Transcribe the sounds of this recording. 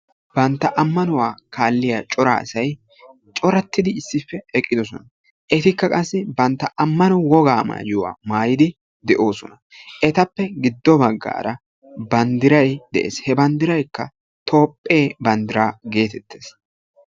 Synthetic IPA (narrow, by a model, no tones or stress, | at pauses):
b̥ɐnt̪ːɐʔɐmːɐnʊwaːkʰaːlːɪjat͡ʃʼɔɾa̰ːɐsɐj | t͡ʃʼɔɾɐt̪ːɪd̪ɪɪsːɪfːɛɛkʼːɪd̪ɔsɔnɐ | ʔɛt̪ɪkːɐkʼɐsːɪbɐnt̪ːɐʔɐmːɐnʊwɔɡaːma̰ːjʊwa̰ːmaːjɪd̪ɪ | d̪ɛʔo̞ːsɔnɐ | ʔɛt̪ɐpːɛɡɪd̪ːɔbɐɡːa̰ːɾɐ | bɐnd̪ɪɾɐjd̪̥ɛʔḛːshɛbɐnd̪ɪɾɐjkːɐ | t̪ʰo̞ːpʼːe̞ːbɐnd̪ɪɾaːɡe̞ːt̪ɛt̪ːe̞ːs